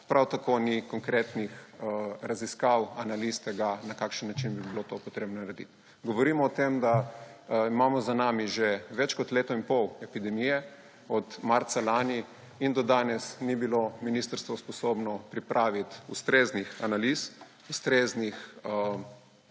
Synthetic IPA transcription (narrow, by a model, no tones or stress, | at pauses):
pɾawt̪akonikɔŋkɾeːt̪nixɾaziskawanalist̪ɛɡanakaːkʃənːat͡ʃinbibilot̪opɔt̪ɾeːbnɔnɾed̪ḭt̪ | ɡɔʋɔɾiːmɔːt̪emd̪a | imaːmɔzanaːmiʒeʋɛt͡ʃkɔt̪leːt̪ɔinpɔwɛpid̪ɛmijɛ | ɔd̪maɾt̪salaːni | ind̪ɔd̪aːnɛsnibilominiːst̪əɾst̪ʋɔspɔsoːbnɔpɾipɾʔaːʋit̪ust̪ɾeːznixanalis | ust̪ɾeːznix